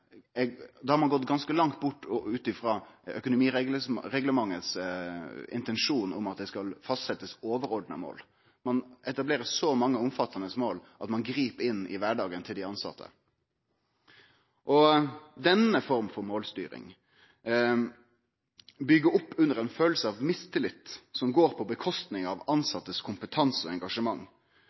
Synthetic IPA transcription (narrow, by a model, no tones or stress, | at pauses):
ɛd̪ɛhɑɾmɑnɡɔt̪ːɡɑnskəlɑŋt̪̚bʊʈːɔʉːt̪ɪfɾɑːœ̰kʊnʊmiːɾɛɡ̪əɾɛɡləmɑŋːəs | ɪ̰nt̪ɛnʂuːnʊ̰mɑt̪̚d̪ɛskɑlfɑst̪sɛt̪ːəsoːʋəɾɔɖnə̰mo̰ːl | mɑnɛt̪ɑbleːɾəsɔmɑŋːəʊmfɑt̪ʰːɑnəsmoːlʔɑt̪mɑnɡɾiːpɪnːɪ̰ʋæɖɑːɡənt̪ʰɪld̪ɪɑnsɑ̰t̪ʰːə̰ | ʔɔd̪ɛnəfɔɾmfɔɾmoːlst̪y̰ːɾɪ̰ŋ | bʏɡːəɾʊpːʉnːəɾɛnføːl̩səɑʋmɪst̪ʰɪlɪt̪ːsɔmɡoːɾpʰɔbəkʰɔst̪nɪŋɑʋɑnsɑt̪ːəskʰʊmpət̪ʰɑnsɔɛŋɡɑʂəmɑŋː